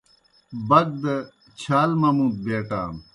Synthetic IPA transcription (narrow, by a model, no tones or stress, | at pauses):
bɐɡ̚d̪ | t͡ɕʰaːlmɐmuːd̪̚beːʈa̰ːm